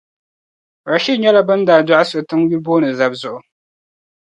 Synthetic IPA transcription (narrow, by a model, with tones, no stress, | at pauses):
ɾa˨ʃi˦ɲɛ˦la˦bɨ˦ndaː˨da˦ʔa˦sʊ˨tɨ˦ŋju˦lboː˦nɨ˨za˦bzʊ˦ʔʊ˨